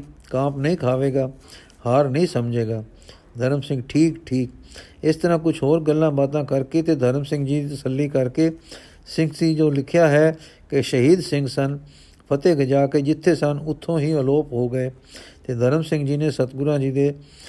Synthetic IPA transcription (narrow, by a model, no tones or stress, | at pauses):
kãːpnəɦĩːkʰaːʋeːɡaː | haːɾnəɦĩːsəmd͡ʒeːɡaː | d̪ʱəɾəmsɪ̃ŋɡʈʰiːkʈʰiːk | ɪst̪əɾãːkʊt͡ʃʰɦoːɾɡəlːãːbaːt̪ãːkəɾkeːt̪eːd̪ʱəɾmsɪ̃ŋɡd͡ʒiːd̪it̪əsəlːiːkəɾkeː | sɪ̃ŋɡsiːd͡ʒoːlɪkʰjaːɦɛː | kɪʃəɦiːd̪sɪ̃ŋɡsən | pʰət̪eːɡəd͡ʒaːkeːd͡ʒɪt̪ʰːeːsənʊt̪ʰːõːɦiːəloːpɦoːɡəeː | t̪eːd̪ʱəɾəmsɪ̃ŋɡd͡ʒiːneːsət̪ɡʊɾãːd͡ʒiːd̪eː